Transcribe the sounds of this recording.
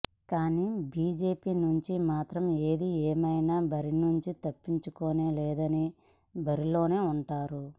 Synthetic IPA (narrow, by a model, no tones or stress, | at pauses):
kaːniːbiːd͡ʒe̞ːpiːnuɲt͡ʃimaːt̪ɾɐme̞ːd̪ieːmɐjnaːbɐɾinuɲt͡ʃit̪ɐpːiɲt͡ʃukoːneːlɛːd̪ɐni | bɐɾilo̞ːne̞ːuɳʈaːɾu